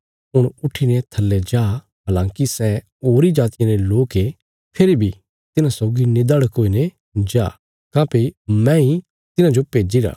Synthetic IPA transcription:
ɦʊɽ̃ʊʈʰinet̪ʰɐlːɛd͡ʒaː | ɦaːlãːkisɛ | oːɾid͡ʒaːt̪ɪijãɾeloːke | pʰɪɾibʱi | t̪ɪnãsɔːɡined̪aɽkoːine | d͡ʒaː | kãːpemɛ̃i | t̪ɪnãd͡ʒopeːd͡ʒiɾa̰ː

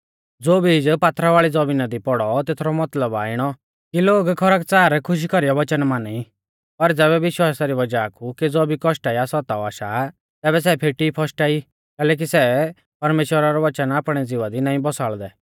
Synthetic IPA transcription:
d͡zoːbʱiɪd͡ʒpaːt̪ʰɾaʋaːɭid͡zɔbinad̪ipɔɽɔt̪eːt̪ʰɾɔmɐt̪ləbaːɪɽ̃ɔ | kiloːɡkʰɔɾakt͡saːɾɛkʰʊʃ̬ikɔɾijɔʋɐt͡ʃənmaːnɛi | pɐɾd͡zɛːbɛʋɪʃwaːsaɾiʋɐd͡ʒakʰuked͡zoːbʱikɔʃʈaːiasɔt̪aɔaːʃa | t̪ɛːbɛs̬ɛpʰeʈipʰɔsʈaːi | kɛːlɛːk̬isɛ | pɐɾmeːʃwəɾaɾɔʋɐt͡ʃənaːpɽ̃ɛd͡zɪʋad̪inãːĩbɔsaːɭd̪ɛ

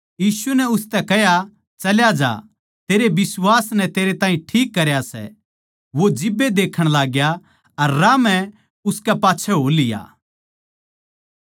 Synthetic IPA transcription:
jiːsunɛʊst̪ɛkɛɦja | t͡ʃɐljad͡ʒa̰ | t̪eːɾebɪswaːsnɛt̪eːɾet̪aːĩʈʰiːkːɐɾjasɛ̰ | ʋod͡ʒɪbːed̪eːkʰəɽ̃laːɡja | ɐɾːaːmɛ̃ | ʊskɛpaːtːt͡ʃʰɛɦoːlɪja̰ː

